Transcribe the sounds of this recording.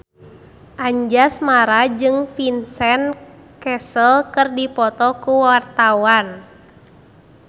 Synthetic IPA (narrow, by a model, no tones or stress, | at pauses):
ʔaɲd͡ʒasmaɾad͡ʒɨŋfinsɛnkɛsəlkɨrdipɔt̪ɔkuwart̪awan